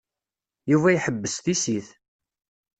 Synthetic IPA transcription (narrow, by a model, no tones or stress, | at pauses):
juvæjħəbːəsθisiθ